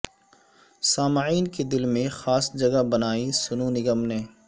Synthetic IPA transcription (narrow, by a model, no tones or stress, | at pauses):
saːmʕiːnked̪ɪlmẽxaːsd͡ʒɐɡabɐnaːisʊnunɪɡəmneː